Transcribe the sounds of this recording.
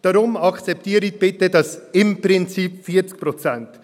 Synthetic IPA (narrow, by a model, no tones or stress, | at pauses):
d̥aɾʊmɑkt͡sɛp̚tiːɾiç̚b̥ɪtədɑsɪmprɪnt͡siːpfiːət͡sk̚pɾot͡sɛnt